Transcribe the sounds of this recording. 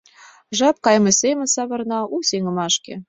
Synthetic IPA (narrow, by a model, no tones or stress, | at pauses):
ʒɑp̚kɑjmɤ̆sʲemʲɘ̆sɑβɤ̆rnɑusʲeŋə̆mɑʃkʲḛ